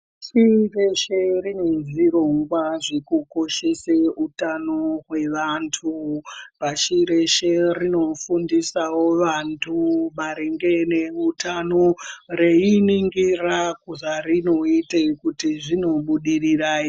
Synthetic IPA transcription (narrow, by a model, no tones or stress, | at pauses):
ʃireʃeɾine̞ʐiroŋɡwaʐikuko̞ʃeseutanoɦwe̞ʋantʰupaʃiɾeʃerino̞fundisawo̞ʋantʰumaɾeŋɡeneutano̞reiniŋɡirakuʐarino̞itekutiʐino̞ɓuɗiriraːi